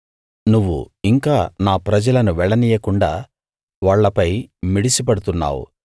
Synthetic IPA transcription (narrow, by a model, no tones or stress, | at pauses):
nuʋːṵ | iŋkaːnaːpɾɐd͡ʒɐlɐnuʋɛɭːɐnijɐkuɳɖaː | ʋaːɭːɐpɐjmiɽisip̬ɐɽut̪unːa̰ːwṵ